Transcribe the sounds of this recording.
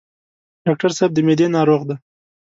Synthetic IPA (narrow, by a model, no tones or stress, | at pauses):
ɖ̥ɑk̚ʈaɾsab̚d̪əmed̪enɑɾoɣd̪a